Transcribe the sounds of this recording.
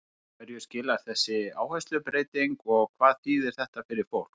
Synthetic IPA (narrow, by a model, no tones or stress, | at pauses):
vɛɾjʏscɪːlaɾθɛsːɪaːwhɛst̪lʏpɾeːjt̪iŋkɔɣkʰvaːðθiːðɛɾ̥θɛht̪afɪɾɪɾ̥fowl̥k